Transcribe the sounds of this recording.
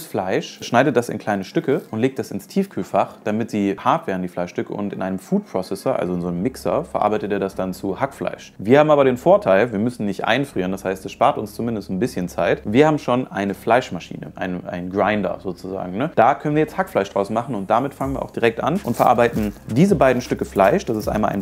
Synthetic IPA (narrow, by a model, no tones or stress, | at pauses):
sflaɪʃʃnaɪdət̚d̥asɪ̰nkʰl̥aɪnəʃtʏkəʔʊntleːk̚td̥asɪnstʰiːfkʰyːlfaχd̥amɪtz̥iːhaɐtv̥ɛːʁdn̩diːflaɪʃtʏkə̰ʔʊ̰ntɪnʔaɪnəmfuːt̚pʁ̥ɔsɛsəʔa̰lzoɪnzoːnəmːɪksɐ̰fɛɐʔa̰ɐbaɪtəteːɐdasd̥ant͡suhakfla̰ɪʃviːɐhaːbm̩ʔaːbɐɾeːnfoːɐtʰaɪlviːɐmʏsn̩nɪçtʔa̰ɪnfʁ̥iːʁəndashaɪstɛsʃpaːɐtʊnst͡sumɪndəstn̩bɪsçənt͡saɪtviːɐhaːbm̩ʃoːnʔaɪnəflaɪʃmaʃḭːnə̰ʔa̰ɪnəʔa̰ɪnnɡʁaɪndɐ̰zoːt͡suza̰ːɡŋ̩nəd̥aːkʰœnənviːɐjɛt͡sthakflaɪʃd̥ʁaʊsnmaχn̩ʊnt̚d̥amɪtfaŋənviːɐa̰ʊxd̥iːʁɛk̚tʔa̰nʔʊntfɛɐʔaɐbaɪtn̩diːzəbaɪdn̩ʃtʏkəflaɪʃd̥asɪstʔa̰ɪnmalʔaɪn